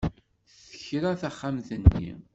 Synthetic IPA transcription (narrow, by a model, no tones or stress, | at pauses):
θə̥çɾaθaχːamθənːḭ